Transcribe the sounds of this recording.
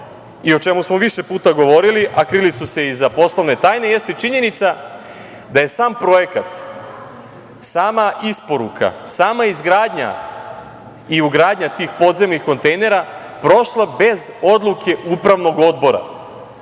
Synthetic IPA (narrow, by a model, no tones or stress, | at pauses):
io̞t͡ʃe̞musmo̞ʋiʃe̞puːt̪aɡo̞ʋo̞ɾiliʔakɾilisuse̞izapo̞slˠoʋne̞t̪aːjne̞je̞st̪et͡ʃiɲe̞nit̪sa | d̪aje̞saːmpɾo̞je̞kat̪ | saːmaʔispo̞ɾukʰa̰saːmaizɡɾaːd̪ɲa̰ | iuɡɾaːd̪ɲat̪iːxpo̞d̪ze̞mnixko̞nt̪e̞jne̞ɾa | pɾo̞ʃlˠabe̞zo̞d̪lˠukʰe̞ʔupɾaʋno̞ɡo̞d̪̚bo̞ɾa̰